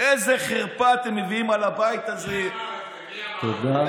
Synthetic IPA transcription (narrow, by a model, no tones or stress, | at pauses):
ejzeχeʁpat̪emːeviimalabait̪aze | t̪od̪a